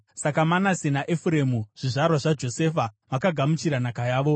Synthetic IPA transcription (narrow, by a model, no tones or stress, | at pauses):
sakamanasinaʔefuɾe̞muʐ̥iʐarwaʐad͡ʒo̞se̞ːfamakaɡʱamut͡ʃiɾanakajaːʋo̞